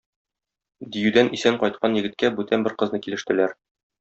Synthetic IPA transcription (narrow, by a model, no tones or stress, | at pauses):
d̪ijʉd̪ænʔisæɴqɒjt̪̚qʰɑnjɘ̆ɡɘ̆t̪̚kæbʉt̪ænbɘɾqɤ̆znɤkilɘ̆ʃt̪ɘ̆læɾ